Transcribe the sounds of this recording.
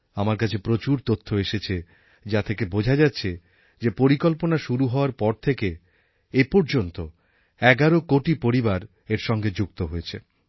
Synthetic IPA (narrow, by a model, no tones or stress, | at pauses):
amaɾkat͡ɕʰepɾot͡ɕuɾt̪ot̪ʰːoeʃet͡ɕʰe | d͡ʑat̪ʰekebod͡ʑʱad͡ʑatːɕʰe | d͡ʑepoɾikolponaʃuɾuɦɔoaɾpɔɾt̪ʰeke | epoɾd͡ʑont̪o | ɛɡaɾokoʈipoɾibaɾ | eɾʃɔŋɡed͡ʑuk̚t̪oɦojet͡ɕʰe